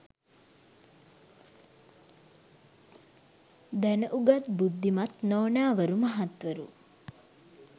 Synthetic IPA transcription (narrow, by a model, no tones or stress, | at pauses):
d̪ɛnɐʔuɡɐt̪bud̪ʱːimɐt̪noːnaːʋɐɾumɐɦɐt̪ʋɐɾṵ